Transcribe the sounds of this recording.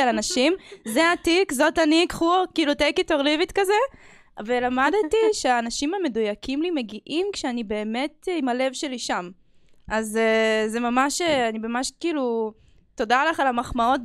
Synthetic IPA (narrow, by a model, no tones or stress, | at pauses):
alanaʃimzeatikzo̞tanikχukiːlutekitoʁlivitkaze | velamadtiʃeaːnaʃimame̞dujakimlime̞ɡiʔimkʃeanibe̞ːme̞timale̞vʃe̞liʃam | ʔazezemamaʃeanibamaʃkiːlu | to̞dalaχalamaχmao̞t̚